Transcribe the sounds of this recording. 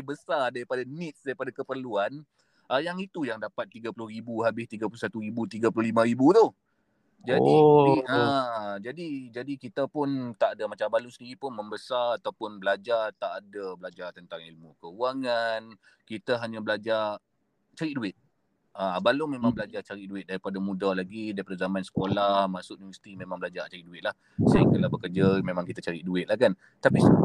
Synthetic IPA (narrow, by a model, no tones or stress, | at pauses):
bəsardaɾipadanɪt̪̚sdaɾipadakəpərluan | ʔəjaŋit̪ujaŋdapat̪ːiɡapulʊhɾibuɦabɪht̪iɡapulʊsat̪uɾibut̪iɡapulʊhlimãɾibut̪ʊh | d͡ʒadiad͡ʒadid͡ʒadikit̪apʊnt̪aʔadamat͡ʃabalusəndiɾipʊnməmbəsarat̪awpʊnbəlad͡ʒart̪aʔːdabəlad͡ʒat̪ənt̪aŋilmũkəuaŋan | kit̪əɦaɲãbəlad͡ʒa | t͡ʃaɾɪʔduɪt̪̚ | əabalumẽmãŋbəlad͡ʒat͡ʃaɾɪʔ̚duɪt̪̚daɾipadamũdalaɡidaɾipadazamãnsə̥kolahmasʊkʔnunvəsi̥t̪imẽmãŋbəlad͡ʒat͡ʃaɾiʔduɪt̪̚lah | saiŋkəlahbəkərd͡ʒəmẽmaŋkit̪ət͡ʃaɾɪʔduɪt̪̚lahkan | t̪api